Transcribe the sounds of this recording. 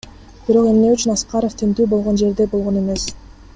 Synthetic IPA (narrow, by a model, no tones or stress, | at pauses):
b̥iɾo̞qe̞mne̞yt͡ʃynɑsqɑɾoft̪ʰent̪yːbo̞lˠʁo̞nd͡ʒe̞ɾd̪e̞bo̞lˠʁo̞ne̞me̞s